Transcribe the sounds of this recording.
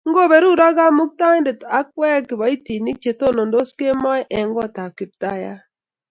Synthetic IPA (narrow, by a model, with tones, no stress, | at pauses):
ŋ̩˦ɡo˦˨be˨ɾu˦ɾa˦ɡa˦mʊ˦k̚ta˦nde˨ta˨˦k̚wɛ˦kɪ˨ba˨i˦ti˨ni˦k̚t͡ʃe˨to˦no˨ndo˦ske˦mɔ˦jʔɛ˨ŋɡɔ˦˨ta˨ki˨p̚ta˦˨ja̰˦